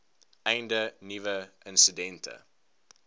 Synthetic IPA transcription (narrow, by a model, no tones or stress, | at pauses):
ʔɛjndənivəʔənsidɛntʰə̰